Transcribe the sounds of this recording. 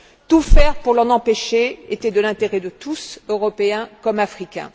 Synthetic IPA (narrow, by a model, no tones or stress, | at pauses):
t̪ufɛʁpuʁlɑ̃nɑ̃peʃeet̪ɛd̪əlɛ̃t̪eʁɛd̪ət̪usøʁɔpeɛ̃kɔmafχikʲɛ̰̃